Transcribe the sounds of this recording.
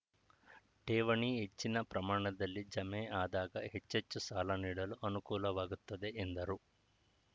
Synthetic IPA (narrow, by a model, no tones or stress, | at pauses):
ʈeːʋɐɳiet͡ʃːinɐpɾɐmaːɳɐd̪ɐlːid͡ʒɐmeːʔaːd̪aːɡɐɦet͡ʃːet͡ʃːusaːlɐniːɽɐluʔɐnukuːlɐʋaːɡut̪ːɐd̪eʔːnd̪ɐɾu